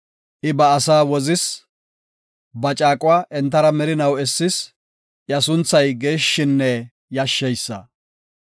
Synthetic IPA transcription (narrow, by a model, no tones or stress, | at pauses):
ʔɪbɐːsaːwɔzɪs | bɐt͡ʃʼaːkʼʊwaːʔɛnt̪̬ːɐɾɐmɛɾɪnɐwɛsːɪs | jɐsʊnt͡sːɐjɡeːʃːɪnːɛ | jɐʃːɛjsːɐ̰